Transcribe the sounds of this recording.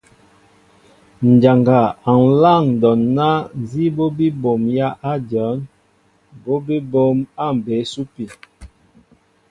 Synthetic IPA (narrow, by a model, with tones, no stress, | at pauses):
n̩˨d͡ʒa˨ŋɡa˨a˨n˨˦la˦˨ŋ˨dɔ˨nːa˦˨zi˦bo˦bi˦bo˨mja˦ʔa˦djɔ˨˦n | bo˦bi˦bo˨˦ma˦˨m˨be˨˦su˦pi˨